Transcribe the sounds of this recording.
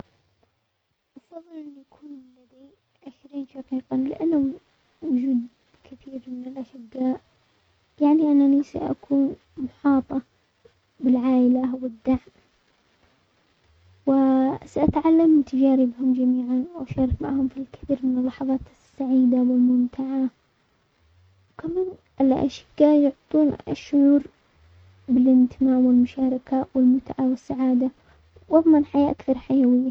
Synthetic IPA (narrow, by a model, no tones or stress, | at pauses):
ʔɑfɑðˤːɨlʔɪnːiʔakʰuːnlad̪i | ʔaxɾiːnʃɑqiːqɑnlɪ̰ʔanːʊ | wʊd͡ʒuːd̪ | kɪθiːɾmɪnɪlʔaʃɪɡːaːʔ | jaʕniʔanːanisa̰ʔa̰kʰuːn | mʊħɑːt̪ˤɑ | bɪlʕaːʔɪlawɪd̪ːaʕm | wɪsaʔat̪ʕalːamt̪ʰːad͡ʒaːɾibɪhʊmd͡ʒamiːʕanwʔaʃɑːɾˤɑkmaʕhʊmfilkɪ̥θiːɾmɪnɪlːɑħɑðˤɑːt̪ | sːaʕiːd̪awɪlmʊmt̪ʰaʕa | wkamaːnʔɪlʔa̰ʃɪ̥kːajʊʕt̪ˤuːnaʃːʊʕuːɾ | bɪlʔɪnt̪ɪmaːmwɪlmʊʃaːɾˤɪkawɪlmʊt̪ʕawɪsːaʕaːd̪a | wʔɑðˤmɑnħajaːʔakθɑɾˤħajawɪjːa